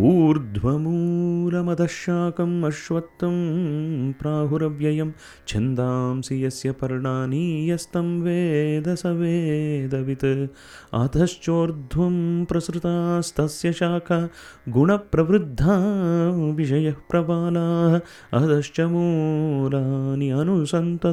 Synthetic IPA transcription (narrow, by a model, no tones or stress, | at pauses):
puːɾd̪ʱʋɐmulɐmɐd̪ʱɐʃjaːkʰɐmɐʃʋɐt̪ːɐm | pɾaːɦuɾɐʋjɐjɐm | t͡ʃʰend̪aːmsijɐsjɐpɐɾɳaːniːjɐst̪ɐmʋeːd̪ɐsɐʋeːd̪ɐʋit̪ɐ | ɐ̰d̪ʱɐʃt͡ʃoːɾd̪ʱʋɐmpɾɐsɾut̪ast̪ʰɐsjɐʃaːkʰɐ | ɡuɳɐpɾɐʋɾud̪ʱːaː | ʋiʃɐjɐhpɾɐʋaːlaːɦɐ | ɐd̪ʱɐʃt͡ʃɐmuːlaniɐnusɐnt̪ɐ